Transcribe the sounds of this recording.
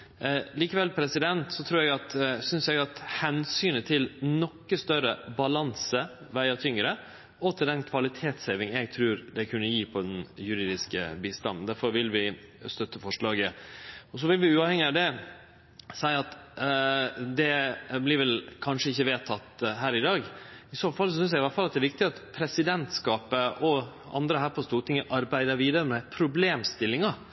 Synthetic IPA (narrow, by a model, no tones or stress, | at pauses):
liːkəʋɛlpʰɾɛsɪd̪ɛnt̪sɔt̪ʰɾuːɾɛɡɑt̪sʏnsjɛɡɑt̪hɛnsyːnət̪ʰɪlnɔkːəst̪œɾəbɑlɑnsə | ʋæɪɑt̪ʰʏŋɾə | ɔt̪ʰɪld̪ɛnkʰʋɑlɪt̪ʰeːt̪sheʋɪŋɛɡt̪ʰɾʉːɾd̪ɛkʰʉnːəjiːpʰɔd̪ɛnjʉɾiːd̪ɪskə̰biːst̪ɑ̰nnd̪æɾfɔɾʋɪlʋɪst̪œt̪ːəfɔʂɭɑːɡəɔs̬ɔʋɪlʋɪʉːɑːʋhɛŋːɪɑʋd̪ɛ | sæɪɑt̪ | d̪ɛblɪɾʋɛlkʰɑnʂəɪçːəʋeːt̪ʰɑt̪ɦæːɾɪd̪ɑːɡɪsoːfɑlsɔs̬ʏns̬æɡɪʋɑɾfɑlɑt̪̚d̪ɛæɾʋɪk̚t̪ɪɑt̪pʰɾɛsɪd̪ɛnt̪skɑːpəʔɔ | ʔɑ̰nd̪ɾəɦæːɾpʰɔst̪uːɾʈʰɪŋːəʔɑɾbæɪd̪əɾʋiːd̪əɾəmɛpʰɾʊbleːmst̪ɪlːɪŋɑ